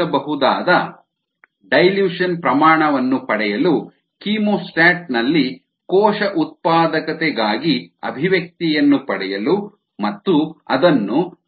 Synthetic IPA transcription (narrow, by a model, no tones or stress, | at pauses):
ɐbɐɦud̪aːd̪ɐ | ɖɐjljuːʂɐnpɾɐmaːɳɐʋɐnːupɐɽɛjɐlu | kiːmoːsʈaːʈ̚nɐlːi | kɔːʃɐʔut̪̚paːd̪ɐkɐt̪ɛɡaːɡiɐ̰bʱiʋjɐk̚t̪ijɐnːupɐɽɛjɐlu | mɐt̪ːuɐd̪ɐnːu